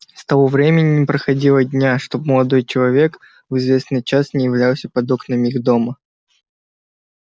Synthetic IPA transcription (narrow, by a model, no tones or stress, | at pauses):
st̪ɐvovɾʲemʲɪnʲɪnʲɪpɾəxɐdʲilˠədʲnʲaʂt̪o̞bməlˠɐd̪o̞jt͡ɕɪlˠɐvʲe̞k | vɨzvʲe̞snɨjt͡ɕasnʲɪjɪvlʲalˠsʲəpɐd̪oknəmixd̪o̞mə